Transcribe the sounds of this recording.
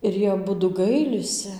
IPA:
ɪr ˈjiɛ ɐˈbʊdʊ ˈɡɐɪlʲɪsʲɪ

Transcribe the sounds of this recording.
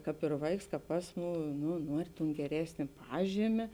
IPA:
ˈkɑːp ɪr ˈʋɐɪks ˈkɑːp ˈɑːsˌmuː ˈnʊ ˈnuɔrʲɪ tʊn ɡʲɛˈrʲæːsʲnʲeː ˈpɑːʒʲiːmʲeː

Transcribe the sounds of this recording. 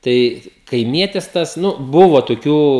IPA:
ˈtɐɪ kɐɪˈmʲiɛtʲɪs ˈtɐs ˈnʊ ˈbʊʋoː toːˈkʲuː

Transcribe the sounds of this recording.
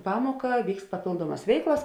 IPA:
ˈpɑːmuɔkɐ ˈʋʲiːkst pɐˈpʲeːlˠduɔmɐs ˈʋʲɛɪklˠɐs

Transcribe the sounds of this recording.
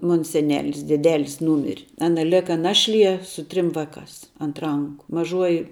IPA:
ˈmoːn sʲɛˈnʲæːlʲɪs dʲɛˈdʲæːlʲɪs ˈnuːmʲɪrʲ ˈɑːnɐ ˈlʲæːkɐ ˈnɑːʃʲˌlʲiɛ sʊ ˈtʲrʲɪm ˈʋɑːˌkɑːs ɐnt ˈrɐŋkʊ mɐˈʒuɔjɪ

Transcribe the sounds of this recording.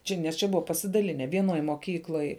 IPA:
ˈt͡ʃʲɛ nʲɛs ˈt͡ʃʲɛ ˈbʊʋɐ pɐsʲɪdɐˈlʲɪnʲɛ ʋʲiɛˈnoːj moːˈkʲiːklˠoːj

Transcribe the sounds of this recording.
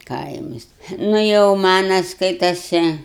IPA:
ˈkɐɪmɐs ˈnʊ jɛʊ ˈmɑːnɐ ˈskɐɪtɐsʲɛ

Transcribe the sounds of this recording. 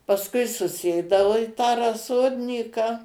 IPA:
pɐsˈkʊɪ sʊˈsʲeːdɐoː ɪ ˈtɑː rɐˈsoːdʲnʲiːkɑː

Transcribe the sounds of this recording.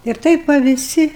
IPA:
ɪr ˈtɐɪp ʋɐ ʋʲɪˈsʲɪ

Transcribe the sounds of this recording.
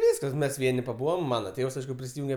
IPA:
ˈʋʲiːskɐs ˈmʲɛs ˈʋʲiɛnʲɪ pɐˈbuːʋɐm ˈmɑːnɐ ˈtʲeːws ˈɐɪʃkʊ pʲrʲɪsʲɪˈjʊŋʲɡʲɛ

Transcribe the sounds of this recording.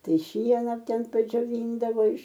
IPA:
ˈtɐɪ ˈʃʲiɛnɐ ˈtʲɛn pɐd͡ʒʲoːˈʋʲiːndɐʋoː ɪʃ

